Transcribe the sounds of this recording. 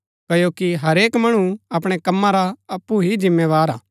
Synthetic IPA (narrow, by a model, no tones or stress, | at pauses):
kɐjokiɦɐɾeːkmɐɽ̃uɐpɽ̃ekɐmːãɾaɐpːuɦid͡ʒɪ̃mːeːʋaːɾaː